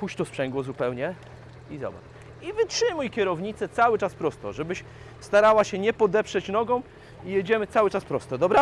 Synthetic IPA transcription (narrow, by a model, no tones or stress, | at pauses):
puɕt͡ɕt̪ɔspʂɛŋɡwɔzupɛwɲɛ | izɔ̰ba̰t | ivɘtʂɘmujkʲɛɾɔvɲit̪sɛt̪sawɘt͡ʂaspɾɔst̪ɔʐɛbɘɕ | st̪aɾawaɕɛɲɛpɔd̪ɛpʂɛt͡ɕnɔɡɔ̃w̃ | ijɛd͡ʑɛmɘt̪sawɘt͡ʂaspɾɔst̪ɔd̪ɔbɾa